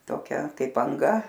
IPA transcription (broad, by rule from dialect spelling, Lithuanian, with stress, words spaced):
toːˈkʲɛ ˈkɐɪp ɐŋˈɡɐ